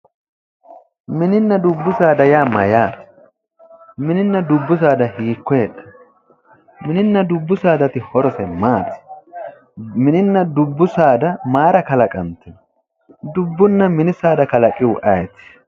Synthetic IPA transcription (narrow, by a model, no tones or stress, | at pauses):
mɪnɪnːɐd̪ʊbːʊsaːd̪ɐjaːmɐjaːt̪ɪ̥ | mɪnɪnːɐd̪ʊbːʊs̬aːd̪ɐhiːkːɔjɛt̪ːɐ̥ | mɪnɪnːɐd̪ʊbːʊsaːd̪ɐt̪ɪhɔɾɔsɛmaːt̪ɪ̥ | mɪnɪnːɐd̪ʊbːʊsaːd̪ɐmaːɾɐkɐlɐkʼɐnt̪ːɛ | d̪ʊbːʊnːɐmɪnɪsaːd̪ɐkɐlɐkʼːɪwʊʔɐjɛt̪ɪ̥